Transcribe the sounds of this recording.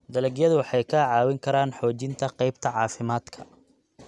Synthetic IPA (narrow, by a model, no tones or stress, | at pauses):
d̪ɐlɛɡjɐðʊwɑħɑjkʰɐʕɑːwɪŋkʰɐɾaːnħɔːt͡ʃɪnt̪ʰɐqɛjbt̪ʰɐʕɑːfɪmaːd̪kʰɐ̥